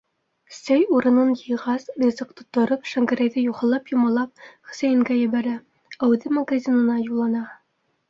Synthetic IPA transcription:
sæjuɾɤ̆nɤnjɤ̆jʁɑsrʲizɤqt̪ŏ̥t̪ːɤ̆ɾɤpʃæŋɡæɾæjðɘjuχɑ̆lˠɑpjŏmɑlˠɑp̚χɵ̥̆sæjɘ̆ŋɡæjɘ̆βæɾæ | æwðɘmɐɡazʲinɤ̆nɑjulˠːɑnɑ

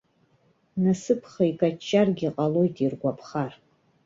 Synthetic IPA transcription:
nɨsɨpʰχaikʼat͡ʃʰʼːarɡʲiqʼalo̞jtʼirɡʷapʰχar

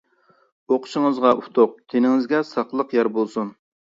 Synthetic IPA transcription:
oqʰʊʃɪŋəzʁɑʔut̪ʰoq̚t̪ʰenɪŋɪzɡʲɛsɑqlˠəqjɑɾbolˠsun

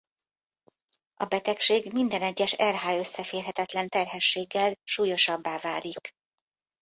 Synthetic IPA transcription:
ʔɒbɛt̪ɛkʃeːɡmind̪ɛnɛɟːɛʃɛrɦaːjø̞sːɛfeːrɦɛt̪ɛt̪lɛnt̪ɛrɦɛʃːeːɡːɛlʃuːjo̞ʃɒbːaːva̰ːlik

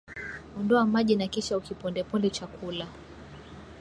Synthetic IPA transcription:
ɔndɔamaʄinakiʃaukipɔndɛpɔlɛt͡ʃakʰula

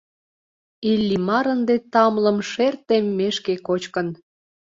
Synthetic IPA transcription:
ilʲːimɑɾənd̪et̪ɑmləmʃert̪emːeʃkekot͡ɕkən

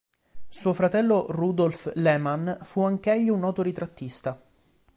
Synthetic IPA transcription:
suːofɾat̪ɛlːorud̪olflɛmanfuaŋk̟ɛʎːiunɔːt̪oɾit̪ɾat̪ːist̪a

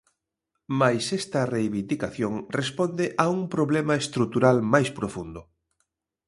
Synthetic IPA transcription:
majsɛst̪ɐrejβind̪ikaθjoŋrespond̪eʔauŋpɾoβlemɐest̪ɾut̪uɾalmajspɾofund̪ʊ

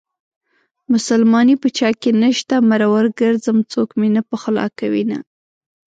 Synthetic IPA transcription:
mʊsalmɑnipət͡ʃɑkenəʃt̪amaɾawaɾɡəɾd͡zamt͡sokmenapəxʊlɑ̰kawina̰

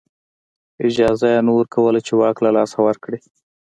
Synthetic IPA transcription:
ɪd͡ʒɑzajanowəɾkawəlat͡ʃewɑklalɑsawəɾkɽi

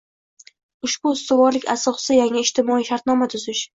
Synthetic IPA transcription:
ʊʃbʊʊst̪ʊvɒɾlɪkʲa̰sɒqsɪjaŋɪɪʃt̪ʰɪmɒiʃaɾt̪nɒmat̪ʰʊzɪʃ

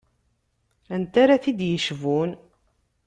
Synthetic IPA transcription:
ænt̪aɾaθid̪jəʃvun

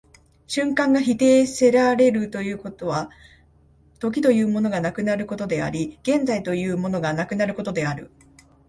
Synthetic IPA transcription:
ɕɨ̃ŋkãŋɡaçit̪e̞ːse̞ɾaɾe̞ɾɯ̟t̪o̞jɯ̟ːko̞t̪o̞βa | t̪o̞k̬ʲit̪o̞jɯ̟ːmo̞no̞ɡanakɯ̟naɾɯ̟ko̞t̪o̞d̪e̞a̰ɾʲiɡ̥ẽ̞nd͡zait̪o̞jɯ̟ːmo̞no̞ɡanakɯ̟naɾɯ̟ko̞t̪o̞d̪e̞aɾɯ̟̰

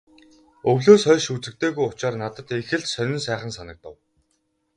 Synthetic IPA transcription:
ɵwɮoːsœːɮʃut͡sɘ̆k̚t̪ʰeːɣujʊt͡ɕaːrnat̪ə̆t̪exɘ̆ɮt͡ɕsœɮʲɪ̆nsæːχə̆nsanə̆k̚t̪ɔ̰w

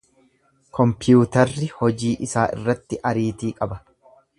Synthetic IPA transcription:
kɔmpɪjuːt̪ɐɾːɪhɔd͡ʒiːʔɪsaːʔɪ̰rːɐt̪ːɪʔɐɾiːt̪iːkʼɐbɐ

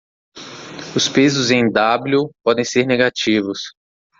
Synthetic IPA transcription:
ʊspezʊzẽj̃d̪ablupɔd̪ẽj̃seɾneɡat͡ʃivʊs

